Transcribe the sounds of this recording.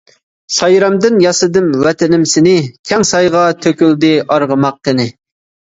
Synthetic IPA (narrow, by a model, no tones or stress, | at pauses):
sɑjɾɑmd̪ɪnjɑsɨd̪ɨmwɛt̪ʰɪnɪmsɪnɪkʲʰɛŋsɑjʁɑt̪ʰøkʲyld̪ɪʔɑɾʁəmɑq̚ːənɪ